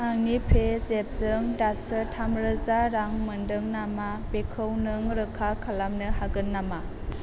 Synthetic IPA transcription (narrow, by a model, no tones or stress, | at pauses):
aŋnipʰezep̚z̥ɯŋdasɯtʰamɾɯzaɾaŋmɯndɯŋnama | b̥ekʰɯwnɯŋɾɯkʰakʰalamnɯhaɡɯnːama